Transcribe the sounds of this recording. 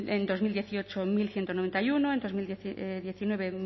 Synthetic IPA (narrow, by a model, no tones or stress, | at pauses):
end̪o̞zmild̪jeθiot͡ʃomilθjent̪onoβe̞nt̪ajunoend̪o̞zmild̪ðjeθinwe̞βe